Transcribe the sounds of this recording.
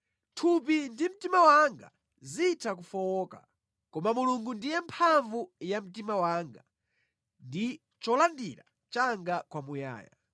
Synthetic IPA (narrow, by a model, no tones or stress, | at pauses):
tʰupindim̩timawaŋɡa̰ | zitʰak̬ufɔwɔːka̰ | kɔmamuluŋɡundijɛmpʰaɱvujam̩timawaːŋɡa | ndi | t͡ʃɔlandiɾa̰ | t͡ʃaŋɡakwamuja̰ːja̰